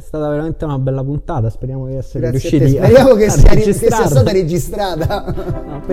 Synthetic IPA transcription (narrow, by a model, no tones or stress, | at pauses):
sst̪aːt̪aʋeɾament̪eunabɛlːapunt̪aːt̪aspeɾjaːmod̪iɛsːeeɾiuʃːiːt̪ispeɾjaːmokesːiad͡ʒiskesiast̪aːt̪aɾed͡ʒist̪ɾaːt̪a